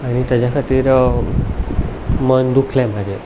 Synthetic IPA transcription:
aɽ̃it̪əd͡ʒakʰat̪iɾ | mənd̪ukʰlɛmad͡ʒe

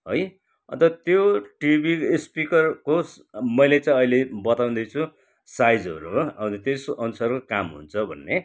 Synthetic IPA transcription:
ɦoj | ʌ̰nt̪ʌt̪joʈibispikʌrkos | mʌjlet͡sãĩʌilebʌt̪aw̃nd̪ʌt͡sʰu | sajd͡zʌ̰ɾuʌwt̪ʌt̪esʌnusʌrkokamɦṵnt͡sʰʌbʱʌ̰nːe

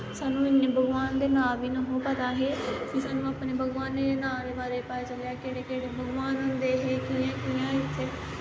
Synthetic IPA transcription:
saːnũːɪnːẽːbʱəɡʋaːnd̪eːnãːʋiːnaːɦũːpət̪aːɦeːkɪsaːnũːaːpneːbʱəɡʋaːneːɾeːnãːɾeːbaːɾeːpaed͡ʒəlaːkeːɽeːkeːɽeːbʱəɡʋaːnɦʊ̃nd̪eːɦeːkiːãːkiːãːɪt̪ʰːeː

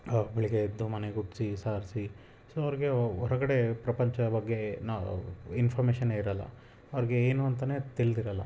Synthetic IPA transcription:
biɭiɡed̪ːumɐneɡuʈsisaːɾsi | soːɐʋɐɾiɡeɔɾɐɡɐɽe̞pɾɐpɐɲt͡ʃɐbɐɡːe̞nainfʰɐːɾmeːʃɐnːeːiɾɐlːɐ̰ | ɐʋɾiɡe̞eːnuɐnt̪ɐne̞ːt̪iɭid̪iɾɐlːɐ̰

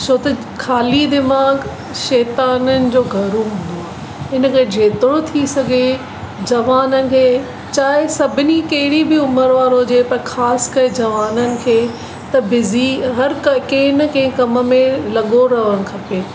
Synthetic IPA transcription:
t͡ɕʰot̪ɐ | kʰaːlid̪ɪmaːɡ | ʃɛːt̪aːnənɪ̆d͡ʑoːɡʱɐɾuɦʊ̃nd̪oaː | ɪnəkʰed͡ʑʱeːt̪ɪɽõt̪ʰisɐɡʱe | d͡ʑɐʋaːnənɪ̆kʰeː | t͡ɕaːɦɪsɐbʱɪnikɐɦɪɽibɪʊməɾʋaːɾod͡ʑeːpɐɾxʰaːskɐɾed͡ʑɐʋaːnənɪ̆kʰeː | t̪ɐbɪziɦɐɾkɐkẽːɪnɐkẽːɪ̃kɐmə̆mẽlɐɠoɾɐʋəɽ̃kʰɐpeː

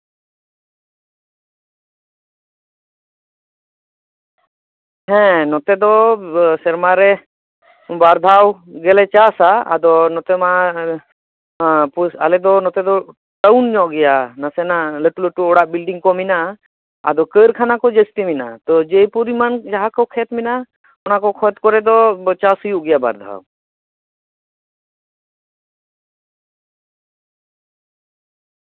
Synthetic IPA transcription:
hɛ̃nɔt̪ɛd̪ɔsɛɾmaɾɛ | baɾd̪ʱawɡɛlɛt͡ʃasaa̰d̪ɔnɔt̪ɛma | pusa̰lɛd̪ɔnɔt̪ɛd̪ɔ | ʈawnɲɔʔɡɛjanasenaləʈuləʈuɔɽaʔbilɖiŋɡkɔmina | a̰d̪ɔkəɾkʰanakɔd͡ʒəst̪imina̰t̪ɔd͡ʒejpuɾimand͡ʒaɦakɔkʰet̪mina | ɔnakɔkʰɔt̪kɔɾɛd̪ɔt͡ʃasujuʔɡijaba̰ɾd̪ʱa̰

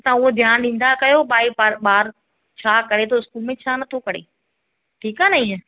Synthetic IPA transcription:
t̪ɐʊɦod̪ʱjaːnɗĩːn̆d̪akɐjoɓaːipaɾɓaːɾ | t͡ɕʰaːkɐɾet̪ʰoɪskuːlmẽt͡ɕʰaːnɐt̪ʰokɐɾ̤ḛː | ʈʰiːkaːnɐĩːə̃

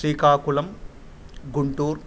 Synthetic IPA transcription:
ɾiːkaːkulɐm | ɡuɳʈuːɾ

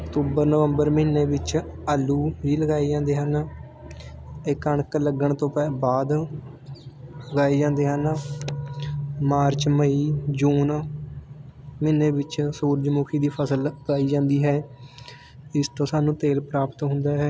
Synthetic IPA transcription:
əkt̪uːbəɾnəʋəmbəɾməɦɪnːeːbɪt͡ʃaːlːuːɦiːləɡaːid͡ʒãːnd̪eːɦən | ɪkəɳkləɡəɳt̪õːpɛbaːd̪ | lɡaːeːd͡ʒãːnd̪eːɦən | maːɾt͡ʃməiːd͡ʒuːn | məɪnːeːbɪt͡ʃsuːɾd͡ʒmuːkʰiːd̪iːpʰəsələɡaːiːd͡ʒãːnd̪iːɦɛː | ɪst̪õːsaːnũːt̪eːlpɾaːpət̪ɦʊ̃nd̪aːɦɛː

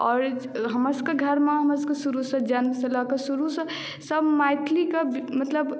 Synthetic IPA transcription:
ɔːɾɦəməɾskeɡʱəɾmeɦəməɾskəsuɾusə̃d͡ʒanbesəlɔkəsuɾusə̃ | səbmajt̪ʰlikebmət̪ləb

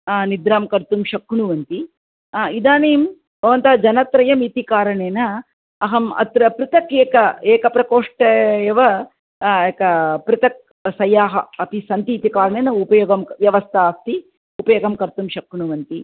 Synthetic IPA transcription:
nid̪ɾaːmkɐɾt̪umʃɐkːuɳuʋɐnt̪i | id̪aːneːm | bʱɐʋɐnt̪aːd͡ʒɐnɐt̪ɾɐjɐmit̪ikaːɾɐɳeːnɐː | ɦɐmɐ̰t̪ɾɐpɾut̪ɐkeːkɐeːkɐpɾɐkoːʂʈɐeʋɐ | eːkɐpɾɪt̪ɐk̚ | sɐjːaːɦɐɐpisɐnt̪iːt̪ikaːɾɐɳeːnɐupɐjoːɡɐmʋjɐʋɐst̪ʰɐaːst̪i | upɐjoːɡɐmkɐɾt̪umʃɐkːuɳuʋɐnt̪i

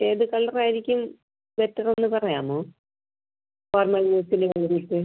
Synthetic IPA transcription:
eːðɨkɐɭːɐraːjiɾikʲːum | ʋetːɐrenːɨpɐrɐjaːmoː | foːrmɐlmuːsinɨʋeːnd̪iʈːɨ

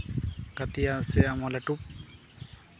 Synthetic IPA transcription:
kat̪ijaseamalaʈup̚

